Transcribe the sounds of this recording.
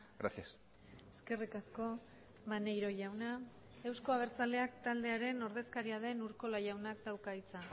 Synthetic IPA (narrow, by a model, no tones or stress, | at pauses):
ɡɾa̰sias | e̞ske̞rikasko̞ | mane̞jɾo̞ʝawna | e̞wsko̞aβ̞e̞ɾt͡sald̪e̞akt̪ald̪e̞aɾe̞no̞ɾð̞e̞skaɾiað̞e̞nuɾko̞lajawnak̚d̪awkait͡sa